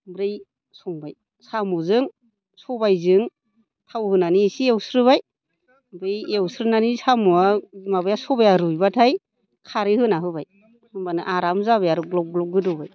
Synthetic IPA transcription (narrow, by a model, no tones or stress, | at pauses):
bɾɯj | sɔŋbaj | samuzɯŋ | sɔbajzɯŋ | tʰawhɯnanisiewsɾɯβaj | bɾɯjewsɾɯnanisamuamabajasɔbajaɾujbatʰaj | kʰaɾɯhɯnaɦɯbaj | hɯŋbanɯʔaɾamzaβajaɾɯɡlɔɡlɔɡɯdɔbaj